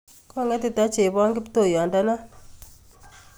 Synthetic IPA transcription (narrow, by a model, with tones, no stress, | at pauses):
kɔ˦˨ŋɛ˦ti˦ta˦t͡ʃe˨bɔ˦ŋɡɪ˦pto˦˨jɔ˨nda˦na˦